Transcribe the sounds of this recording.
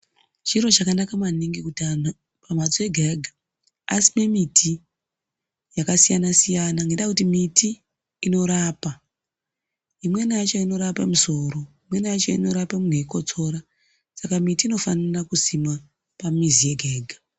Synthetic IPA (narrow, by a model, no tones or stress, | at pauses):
t͡ʃiɾo̞t͡ʃakanakamaniŋɡikutian | pamat͡soe̞ɡʱeɡʱa | asime̞mitʰi | jakasijanasijanaŋɡeɗakutimitiː | no̞ɾaːpa | imwe̞nat͡ʃoino̞ɾapamuso̞ɾo̞imwe̞nat͡ʃo̰ino̞ɾapamuneiko̞t͡so̞ːɾa | sakamitiːno̞fanirakusima | pamizije̞ɡʱeːɡʱa